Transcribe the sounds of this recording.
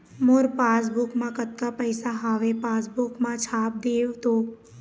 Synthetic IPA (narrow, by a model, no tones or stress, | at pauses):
mʊɾpaːs̬bʊkmãkɐt̪kapəɪsaɦaːʋepaːsbʊkmãt͡ʃʰaːp̚d̪eːʋt̪oː